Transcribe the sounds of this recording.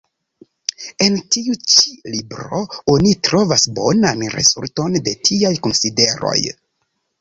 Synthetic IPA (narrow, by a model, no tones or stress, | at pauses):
e̞ntiut͡ʃi̥libɾo̞̰onitɾo̞vasbo̞̰nanɾe̞̰zṵlto̞ndetʰiajkonside̞ɾo̞̰j